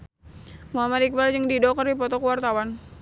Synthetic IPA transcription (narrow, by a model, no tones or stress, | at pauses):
moamaɾik̚bald͡ʒəŋdidɔkərdipɔt̪ɔkuwart̪awan